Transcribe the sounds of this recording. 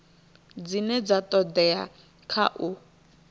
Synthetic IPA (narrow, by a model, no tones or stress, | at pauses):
d͡zinɛd͡zatɔd̪ɛa | kʰa̰ʔu